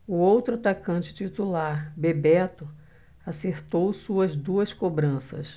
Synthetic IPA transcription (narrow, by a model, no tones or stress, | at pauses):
ʊowt̪ɾʊat̪akɐ̃t͡ʃɪ̥t͡ʃit̪ulaɾbebɛt̪ʊ | aseɾt̪owsuɐzd̪uɐskobɾɐ̃sɐ̰s